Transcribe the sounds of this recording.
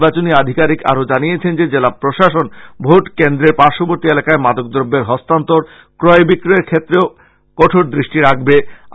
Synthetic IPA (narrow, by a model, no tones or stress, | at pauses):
bat͡ɕoniad̪ʱikaɾika̰ɾod͡ʑaniet͡ɕʰend͡ʑed͡ʑelapɾoʃaʃonbʱoʈkend̪ɾeɾpaɾʃoboɾt̪ielakaemad̪ok̚d̪ɾobːeɾɦɔst̪ant̪oɾ | kɾɔebikɾoeɾkʰet̪ːɾeo | kɔʈʰoɾd̪ɾiʃʈiɾakʰbe